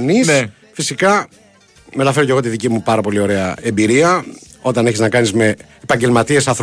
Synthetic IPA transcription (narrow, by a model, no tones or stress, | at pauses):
nis | fisikɐ | me̞t̪ɐfeɾo̞ce̞ɣo̞t̪iðicimupɐɾɐpo̞lio̞ɾe̞ɐe̞mbiɾiɐ | o̞t̪ɐneçiznɐkɐnizme̞ː | pɐɲɟe̞lmɐt̪ie̞sɐθɾ